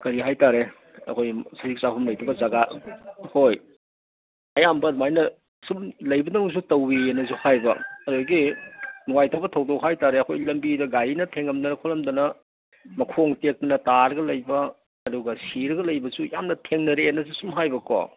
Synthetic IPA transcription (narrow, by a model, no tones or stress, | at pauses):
kɐɾiɦajtaɾe | ɐ̰kʰojsɐik̚sapʰumlɐjtʰubɐzaɡahoj | ɐjambɐnmajnɐ | sumlɐjbɐdɐŋs̬utɐwienːɐs̬uhajbɐɐɾoɡinuwajtʰabɐtʰɐwdok̚hajtaɾeɐkʰojlɐmbidɐɡaɾinɐtʰeŋɐmdɐnɐkʰolɐmdɐnɐ | mɐkʰoŋtek̚tɐnɐtaɾɐɡɐlɐjbɐ | ɐduɡɐsiɾɐɡɐlɐjbɐsujamnɐtʰeŋnɐɾeːnːɐsusumɦajbɐko̰